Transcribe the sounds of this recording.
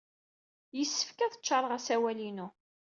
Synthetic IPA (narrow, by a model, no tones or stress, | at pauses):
jəsːə̥fkæðət͡ʃːɑɾˤəʁæsæwælinu